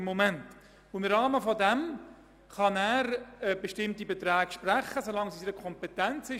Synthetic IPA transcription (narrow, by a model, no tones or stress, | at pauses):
mːomɛnt | ʊɪmrɑːməfɔdɛm | χɑnæːɾbeʃtɪmtibet̪ɾɛːɡʃpræχːəsolɑŋsisiɾəkʰχɔmpɛtænt͡sɪ